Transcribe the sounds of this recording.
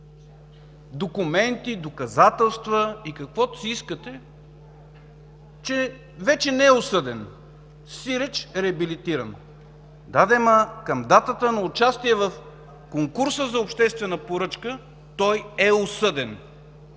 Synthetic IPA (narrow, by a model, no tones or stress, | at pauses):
d̪okʊmɛnt̪id̪okɐzat̪ɛlˠst̪vəikɐkvɔt̪siiskət̪ɛ | t͡ʃɛ | vɛt͡ʃɛnɛɛʊsɤd̪ɛn | siɾɛt͡ʃɛɾɛɐbilit̪iɾɐn | d̪ad̪ɛməkɐmd̪at̪ət̪ənɐʊt͡ʃast̪iɛvəf | koŋkuɾsəzɐʊpʃt̪ɛst̪vɛnəpoɾɤt͡ʃkə | t̪ɔjɛʊsɤd̪ɛn